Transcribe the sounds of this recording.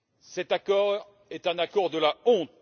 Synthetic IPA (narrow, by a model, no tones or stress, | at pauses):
sɛt̪akɔʁ | ɛt̪ɛ̃nakɔʁd̪əlaɔ̃t̪̚